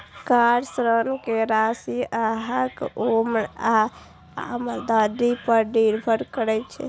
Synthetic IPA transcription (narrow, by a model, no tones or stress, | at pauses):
kaɾsɾənkeɾasiaɦakomɳa | a̰məld̪ad̪ipəɾɖiɾbʱəɾkəɾɛt͡ʃʰɛ̰